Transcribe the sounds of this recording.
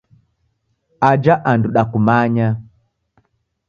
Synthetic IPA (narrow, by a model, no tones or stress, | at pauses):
ad͡ʒaʔanduɗakumaɲa